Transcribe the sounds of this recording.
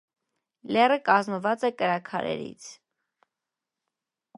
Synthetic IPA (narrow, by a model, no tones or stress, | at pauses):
lɛrəkɑzməvɑt͡sɛkəɾɑkʰɑ̰ɾɛ̰ɾḭt͡sʰ